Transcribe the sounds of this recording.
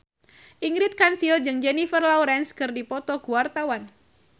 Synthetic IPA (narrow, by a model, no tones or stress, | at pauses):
ʔiŋɾɪt̪̚kansild͡ʒɨŋd͡ʒɛnifərlauɾɛnskɨrdipɔt̪ɔɡuwart̪awan